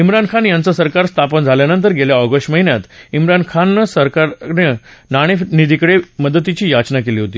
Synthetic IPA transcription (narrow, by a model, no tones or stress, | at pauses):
imɾankʰanjant͡səsəɾkaɾst̪ʰapənd͡zʱaljanənt̪̬əɾɡeljaɔɡəsʈməɦinjat̪imɾankʰanːəsəɾkaɾnenaɽ̃enid̪ikɽeməd̪ət̪it͡ɕiːjat͡ɕnakeliːɦot̪iː